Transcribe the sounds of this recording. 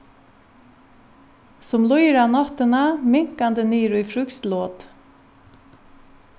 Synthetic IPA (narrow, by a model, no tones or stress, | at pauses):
sʊmlɔjɾanɔt̪ənamɪŋkand̪əniːɾʉjfɾʏkst̪loːt̪